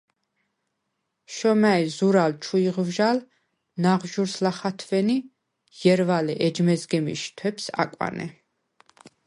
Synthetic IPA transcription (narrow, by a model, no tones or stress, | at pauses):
ʃɔmaizuɾalt͡ʃʰuiʁvʒal | naʁʒuɾslaχat̪ʰvɛni | jɛɾvalɛʔɛd͡ʒmɛzɡɛmḭʃt̪ʰwɛpsa̰kʼwa̰nɛ̰